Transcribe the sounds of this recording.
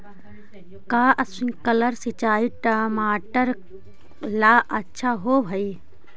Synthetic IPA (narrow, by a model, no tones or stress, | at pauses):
kaːʔɐsĩkələɾsit͡ʃaːiʈamaːʈəɾ | laːʔɐtːʃʰaɦoːbʱɐi